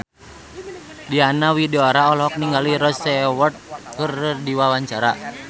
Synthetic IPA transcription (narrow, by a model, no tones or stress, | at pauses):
dianawideɔɾaɔlɦɔk̚niŋɡaliɾɔsɛwɔrt̪̚kɨrdiwawaɲt͡ʃaɾa